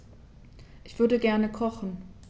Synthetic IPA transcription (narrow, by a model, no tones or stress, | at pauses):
ʔɪçv̥ʏɐdəɡɛɐnəkʰɔχn̩